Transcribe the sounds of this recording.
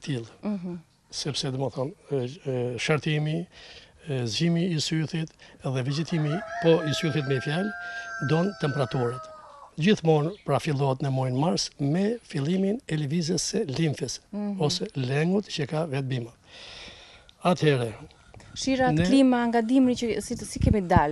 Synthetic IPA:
t̪ʰilˠ | sɛpsɛd̪ɔmaθɔn | ʃaɾt̪imi | zimiːsyθit̪ɛðɛvid͡ʒɛt̪imipɔisyθit̪̬mɛfjald̪ɔnt̪ɛmpɛɾat̪uɾət̪d͡ʑiθmɔnpɾafilˠɔɛt̪nəmɔjnmaɾsmɛfilˠiminɛlvizəsɛlimθəsɔsɛlɛŋɡut̪t͡ʃəkavɛt̪̚bima | at̪hɛɾɛ | ʃiɾanɛlimaŋɡad̪imɾiəsisikɛmid̪al

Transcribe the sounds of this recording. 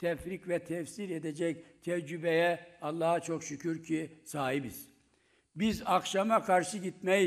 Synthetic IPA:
t̪ʰɛfɾicvɛt̪ʰɛfsiɾed̪ed͡ʒɛc̚t̪ʰɛd͡ʒybɛjɛɑlˠːaːhat͡ʃʰokʃycʰyɾcʰisaːɦibiz̥ | bizakʃamakʰaɾʃɯɟit̪mɛj

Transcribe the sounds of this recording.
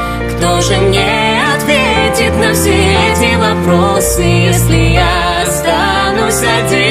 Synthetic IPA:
kt̪oʐɨmnʲɛ | ɐt̪vʲetʲɪt̪nɐfsʲɛɛt̪ʲvʲivɐpɾosɨjɛsʲlʲɪja | st̪a | nʊsʲɐd̪ʲe

